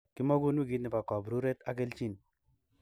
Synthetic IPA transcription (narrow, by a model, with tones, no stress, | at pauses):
ki˦mɔ˦ɡu˦nwu˦ɡi˨˦tni˨pa˨kɔ˨bɾu˦ɾe˦t̪a˦ke˦lt͡ʃi˦˨n